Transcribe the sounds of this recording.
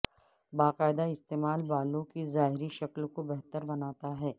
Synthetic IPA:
baːqaːɪd̪aɪst̪eːmaːlbaːlõkizaːɦɪɾiʃɐklkobɛɦt̪əɾbɐnaːt̪aɦɛː

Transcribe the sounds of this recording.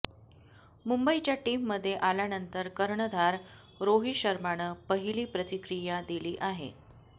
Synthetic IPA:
mumbəit͡ɕjaʈiːmːəd̪ʱːjeʔaljanənt̪əɾkəɾɳəd̪ʱaɾ | ɾoɦiɕəɾmaɽ̃əːpəɦiliːpɾət̪ikɾijad̪iliːʔaɦḛ

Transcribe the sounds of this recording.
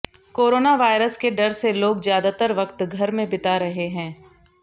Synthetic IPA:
koːɾoːnaʋaːɪɾəskeɖɐɾseloːɡzjaːd̪at̪əɾʋɐqt̪ɡʱɐɾmẽbɪt̪aɾɐɦeɦɛ̃ː

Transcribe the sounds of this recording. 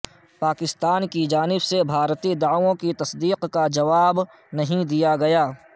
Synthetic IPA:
paːkɪst̪aːnkid͡ʒaːnɪbsebʱaːɾt̪id̪aːõkit̪ɐsd̪iːqkad͡ʒɐʋaːb | nɐɦĩd̪ijaɡɐjaː

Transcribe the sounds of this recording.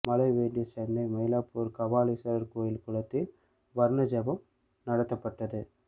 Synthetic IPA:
mɐlɐɪʋeːɳɖɪjɐt͡ʃɛnːɐɪmɐjɪlaːpuːɾkɐʋaːlisɐɾɐɾkoːjɪlkʊɭɐt̪ːɪl | ʋɐɾɳɐd͡ʒɐʋɐm | nɐɽɐt̪ːɐpːɐʈːɐðɯ

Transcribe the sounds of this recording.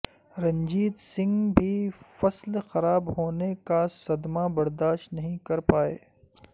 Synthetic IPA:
ɾɐ̃ɲd͡ʒiːd̪sɪ̃ŋɡbʱifɐslxɐɾaːbɦoːnekasɐd̪mabɐɾd̪aːʃt̪nɐɦĩkɐɾpaːḛː

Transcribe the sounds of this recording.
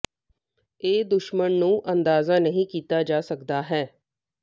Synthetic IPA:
eːd̪ʊʃmənnũːʔənd̪aːzaːnəɦĩːkiːt̪aːd͡ʒaːsəkd̪aːɦɛː

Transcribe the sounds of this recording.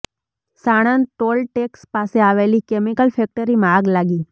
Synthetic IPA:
saɽ̃ənʈolʈekspaseaʋelikemikəlfɛk̚ʈəɾimaːɡlaɡi

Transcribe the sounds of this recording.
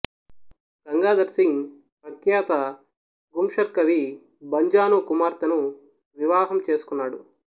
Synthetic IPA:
ɡ̥ɐŋɡaːd̪ɐɾsiŋ | pɾɐkjaːt̪ɐ | ɡumʂɐɾkɐʋi | bɐɲd͡ʒaːnuːkumaːɾt̪ɐnu | ʋiʋaːɦɐmt͡ʃe̞ːsu̥kunːaːɽu

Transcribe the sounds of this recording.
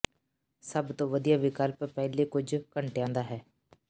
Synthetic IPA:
sɐbt̪oʋɐd̪ijaʋɪkaːlpəpɛɦlekʊd͡ʒkə̃ɳʈjãːnd̪aɦɛː

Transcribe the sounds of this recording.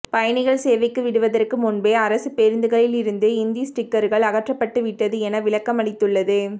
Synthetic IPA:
pɐjɐɳɪɣɐɭseːʋɪkːɯʋɪɽɯʋɐðɐrkɯmʊnbeːɐɾɐsɯpeɾɪnd̪ɯɣɐɭɪlɪɾɯnd̪ɯɪnd̪isʈɪkːɐɾɣɐɭɐɣɐʈrɐpːɐʈːɯʋɪʈːɐðɯɛnɐʋɪɭɐkːɐmɐɽɪt̪ːɯɭːɐðɯ

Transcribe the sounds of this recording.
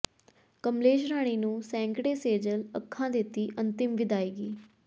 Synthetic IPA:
kəmleːʃɾaːɽ̃iːnũːsɛ̃ːŋkɽeːseːd͡ʒələkʰːãːd̪ɪt̪ːiːʔənt̪ɪmʋɪd̪aːiːɡiː

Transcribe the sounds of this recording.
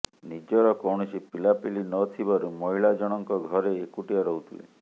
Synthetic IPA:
nid͡ʒɔɾɔkɔwɽ̃ɔt͡ʃipilapilinɔt̪ʰibɔɾumɔɦiɭad͡ʒɔɽ̃ɔŋkɔɡʱɔɾeːkuʈiaɾɔɦut̪ʰilḛ

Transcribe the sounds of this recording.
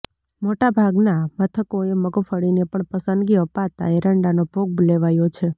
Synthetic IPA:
moʈabʱaɡnamət̪ʰəkoeməɡfəɽinepəɳpəsənd̪ɡiəpat̪a̰eɾəɳɖanob̥ʱoɡ̚bleʋajot͡ʃʰe

